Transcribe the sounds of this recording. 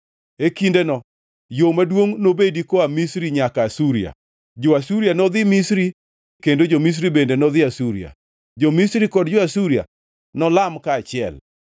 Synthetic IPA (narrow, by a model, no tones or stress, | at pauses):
ekindenɔ | jomadwoŋnobedikoamisɾiɲakaːsuɾia̰ | d͡ʒoasuɾjanɔðɪmisɾi | kendod͡ʒomis̬ɾibendenɔðɪasuɾia̰ | d͡ʒomisɾikɔdd͡ʒoasuɾia̰ | nɔlamkaːt͡ʃɪɛ̰l